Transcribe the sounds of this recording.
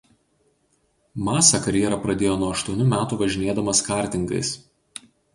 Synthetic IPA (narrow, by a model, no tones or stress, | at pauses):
mɑːsɐkɐɾʲjɛɾɐpɾɐd̪ʲeːjoːnuɔɐʃt̪uɔnʲʊmʲæːt̪uːʋɐʒʲɪnʲiɛd̪ɐmɐskɑˑɾʲt̪ʲɪŋɡɐ̰ɪs